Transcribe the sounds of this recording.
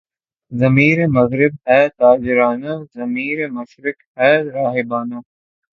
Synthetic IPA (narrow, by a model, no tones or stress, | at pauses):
zɐmiːɾemɐɣɾɪbɦɛːt̪aːd͡ʒɪɾaːnazɐmiːɾemɐʃɾɪk | ɛːɾaːɦɪbaːno